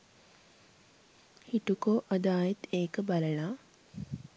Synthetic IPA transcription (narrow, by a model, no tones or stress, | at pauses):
hiʈukoːʔɐd̪aːjet̪eːkəbaləlaː